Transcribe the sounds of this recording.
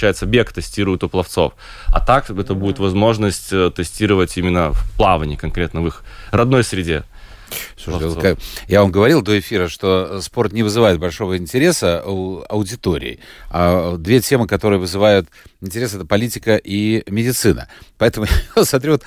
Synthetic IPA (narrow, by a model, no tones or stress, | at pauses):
æjɪt̪səbʲekt̪ɨsʲtʲiɾʊjɪt̪ʊplˠɐft̪so̞̰f | ɐ̰t̪akɛt̪əbudʲɪt̪vɐzmo̞ʐnəsʲtʲət̪ɨsʲtʲiɾəvətʲimʲɪnːəfplˠavənʲɪkɐnkɾʲet̪nəvɨxrɐd̪no̞jsɾʲɪdʲe | fsuʂvokjavamɡəvɐɾʲilˠd̪o̞ɪfʲiɾəʂt̪o̞spo̞rt̪nʲɪvɨzɨvajɪt̪̚bɐlʲʂo̞vəɪnʲtʲɪɾʲe̞səɐ̰ʊdʲɪt̪o̞ɾʲɪ̰ːɪ̰ad̪vʲetʲemɨkɐt̪o̞ɾɨjəvɨzɨvajʊt̪ | ɪnʲtʲɪɾʲe̞səɛt̪əpɐlʲitʲɪkəʔimʲɪdʲɪt̪sɨnə̰pɐɛt̪əmʊjot̪smɐt̪ɾʲivot̪